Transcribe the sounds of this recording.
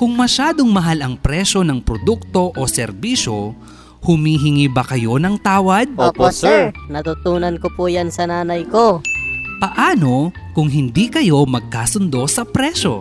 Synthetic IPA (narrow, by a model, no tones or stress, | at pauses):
kʊŋmɐʃaːd̪oŋmɐɦalɐŋpɾɛʃo̞nɐŋpɾod̪uk̚t̪o̞ʔosɛɾbiːʃo̞ | hʊmiːɦɪŋiːbɐkɐjo̞nɐŋt̪aːwɐd̪̚oposɛɹnɐt̪ut̪uːnɐnkopujansɐnaːnɐjkopɐʔaːno̞ | kʊŋɦɪnd̪ikɐjo̞mɐɡ̚kaːsʊnd̪o̞sɐpɾɛʃo̞̰